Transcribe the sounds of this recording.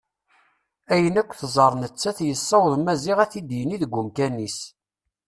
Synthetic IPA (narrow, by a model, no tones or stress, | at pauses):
æjənækʷːθzˤəɾˤnət͡sːæθjəsˤːɑwðˤmæziʁæθid̪jəniðəɡʷːumkænis